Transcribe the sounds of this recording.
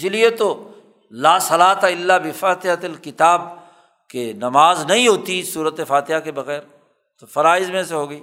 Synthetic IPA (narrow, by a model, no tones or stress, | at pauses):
ɪsɪliet̪o | laːsɐlaːt̪aɪlːabɪfaːt̪ɪɦət̪ɐlkɪt̪aːb̚ | kenɐmaːznɐɦĩɦoːt̪isuːɾət̪efaːt̪ɪɦakebɐɣɛːɾ | t̪ofɐɾaːɪzmẽseɦoːɡɐiː